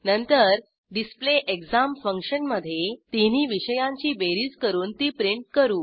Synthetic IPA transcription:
nənt̪əɾ | ɖispleʔekd͡zamfəŋkɕənməd̪ʱːjet̪in̤iːʋiɕəjãɲt͡ɕiːbeɾiːd͡zkəɾuːnt̪iːpɾiɳʈ̚kəɾuː

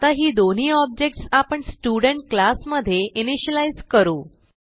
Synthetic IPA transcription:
t̪aɦiːd̪on̤iːɔb̚d͡ʑek̚ʈsapəɳsʈjuɽəɳʈ̚klasməd̪ʱːjeʔiniɕəlajzkəɾuː

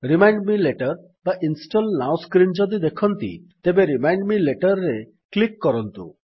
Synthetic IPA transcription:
ɾimajɳɖmileʈɔɾ | baʔinsʈɔlnawskɾind͡ʒɔd̪id̪ekʰɔnt̪ḭt̪ebeɾimajɳɖmileʈɔɾɾe | klikːɔɾɔnt̪ṵ

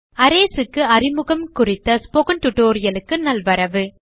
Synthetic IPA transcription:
ɐɾeːsɯkːɯɐɾɪmɯɣɐmkʊrɪt̪ːɐspoɣɐnʈʊʈːoːɾɪjɐlɯkːɯnɐlʋɐɾɐʋɯ

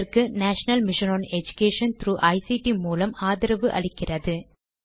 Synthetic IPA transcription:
rkɯnaːʂɐnɐlmɪʂɐnoːnɛd͡ʒʊkeːʂɐnt̪ɾuːʔɐɪsiʈimuːlɐmaːðɪɾɐʋɯʔɐ̰ɭɪkːɪrɐðɯ

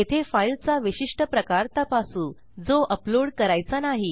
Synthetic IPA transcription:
et̪ʰefailt͡saʋiɕiʂʈəpɾəkaɾt̪apasuː | d͡zoʔəploɽkəɾajt͡sanaɦi

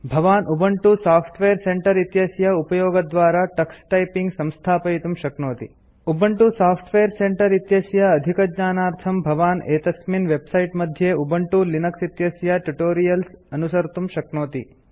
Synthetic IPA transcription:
bʱɐʋaːnʔubɐɳʈusaːpʰʈʋeːɾseɳʈɐɾit̪jɐsjɐupɐjoːɡɐd̪ʋaːɾɐʈɐksʈɐjpiŋɡsɐmst̪ʰaːpɐjit̪umʃɐknoːt̪ḭ | ubɐɳʈusaːpʰʈʰʋeːɾseɳʈɐɾit̪jɐsjɐːd̪ʱikɐd̪ɲaːnaːɾt̪ʰɐmbʱɐʋaːneːt̪ɐsminʋebsɐjʈmɐd̪ʱjeubɐɳʈulinɐksit̪jɐsjɐʈuʈoːɾijɐlsɐnusɐɾt̪umʃɐknoːt̪ḭ

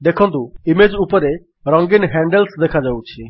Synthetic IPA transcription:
d̪ekʰɔnt̪uimed͡ʒupɔɾe | ɾɔŋɡinɦɛɳɖelsd̪ekʰad͡ʒawt͡ʃʰi

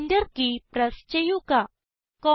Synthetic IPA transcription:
nd̪əɾkipɾəst͡ʃəjuka | kɔ

